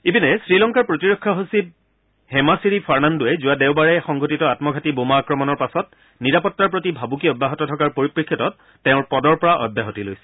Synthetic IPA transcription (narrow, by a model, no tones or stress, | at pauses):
ibinɛsɹilɔŋkaɹpɹotiɹɔkʰːɔɦusib̚ | hɛmasiɹipʰaɹnanduɛzʊwadɛʊbaɹɛxɔŋɡʱotitɔatmɔɡʱatibomaːkɹɔmɔnɔɹpasɔt̚ | niɹapɔtːaɹpɹotibʱabuk̬iɔdbːaɦɔtɔtʰɔkaɹpoɹipɹikʰːjɔtɔtː | eʊ̃ɹpɔdɔɹpɔɹaʔɔ̰dbaɦotilojsɛ̥